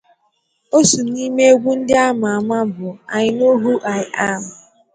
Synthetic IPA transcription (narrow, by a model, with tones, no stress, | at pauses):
o˦su˨ni˦me˦e˦ɡʷu˦n̩˦dɪ˦a˦ma˨a˨ma˦bʊ˨a˨ɲɪ˨no˦ɦu˦ʔa˨ɪ˨ʔa˦ma˨